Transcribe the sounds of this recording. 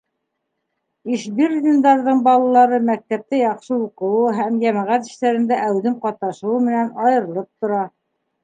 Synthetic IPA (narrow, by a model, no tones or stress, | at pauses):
iʃbird̪ʲind̪ɑɾðɤɴbɑlˠɑlˠɑɾɤmæk̚t̪æp̚t̪ɘjɑqʃɤuqɤ̆wɤɦæmjæmæʁæt̪ɘ̆ʃt̪æɾɘ̆nd̪æʔæwðɘmqɑt̪̚nɑʃɤ̆wɤmɘ̆nænɑjɤ̆ɾɤ̆lˠɤp̚t̪ŏɾɑ